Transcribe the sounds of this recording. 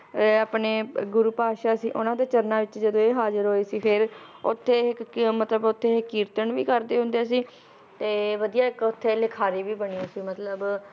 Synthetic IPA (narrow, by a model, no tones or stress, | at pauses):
aːpneːɡʊɾuːpaːʃaːsiːʔʊnãːd̪eːt͡ʃəɾnaːʋɪt͡ʃd͡ʒəd̪õːeːɦaːzəɾɦoːeːsiːpʰɪɾʊ̰t̪ʰːeːɪkmət̪ləbʊt̪ʰːeːkːiːɾt̪əɳʋḭːkəɾd̪eːɦʊ̃nd̪easiː | t̪eːʋəd̪ijaːɪkʊt̪ʰːeːlɪkʰaːɾiːʋiːbəɳiːõːsiːmət̪ləb